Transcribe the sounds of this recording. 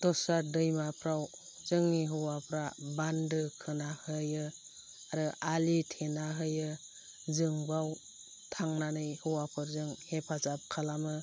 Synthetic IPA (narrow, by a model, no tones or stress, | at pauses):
d̥ɔsadɯjmapʰɾaw | zɯŋniɦɯwapʰɾabandɯkʰɯnahɯjɯ | aɾɯʔalitʰenaɦɯjɯ | zɯŋbaw | tʰaŋnanɯjhɯwapʰɯɾzɯŋhepʰazap̚kʰalamɯ